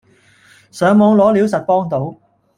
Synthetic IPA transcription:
sœː˨˧ŋmɔː˨˧ŋlɔː˨˥liː˨˥wsɐ˨t̚pɔː˥ŋt̪o˨˥w

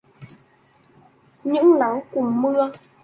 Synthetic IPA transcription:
ɲɨ̰˧˥ŋla˨˦ŋkʊ˨˧˩mɨ˧ə

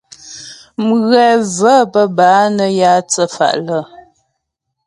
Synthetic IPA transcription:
m̩˨ɣɰɛ˨və˦pə˦baː˨˦nə˦ja˦t͡sə˦fa̰˨ʔlə˨

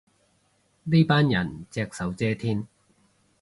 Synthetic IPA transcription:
ni˥paː˥njɐ̰˨˩nt͡sɛː˧k̚sɐ˨˥wt͡sɛː˥t̪ʰiː˥n

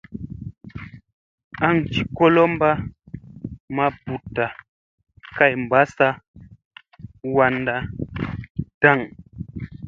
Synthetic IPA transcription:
a˦˨ŋ̩˨t͡ʃi˨kɔ˦lɔ˦m˦ba˦ | ma˦bu˨ta˨ | ka˦˨jm̩˨ba˦sa˦ | wa˦n˦da˦ | da˦˨ŋ

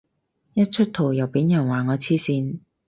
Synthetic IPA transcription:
jɐ˥t̚t͡ʃʰɵ˥t̚t̪ʰo˨˩wjɐ˨˩wpiː˨˥njœ˨˩nwaː˨˩ŋɔː˨˧t͡sʰiː˥siː˧n

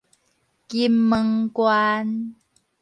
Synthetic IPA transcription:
ki˧mːə˧ŋkwa˧n

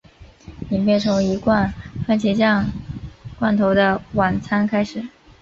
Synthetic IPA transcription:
ni˨˩npjɛ˥˩nt͡sʰʊ˧˥ŋi˧˥kwa˥˧nfa˥˩nt͡ɕʰjɛ˧˥t͡ɕjɑ˥˧ŋ | kwa˥˩nt̪ʰo˧˥ʊd̪ə˧wa˨˩nt͡sʰa˥nkʰa˥ɪʂɻ̩˨˩˦

